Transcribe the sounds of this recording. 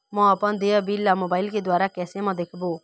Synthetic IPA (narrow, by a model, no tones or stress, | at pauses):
mɔ̃ɐpənd̪eabilːamoːbaːɪlked̪waːɾakɛːsemãd̪eːkʰbo